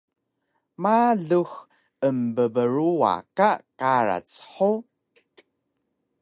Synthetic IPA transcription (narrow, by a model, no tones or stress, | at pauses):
maɮux | əmbəbəɾua̰kakaɾa̰t͡sħo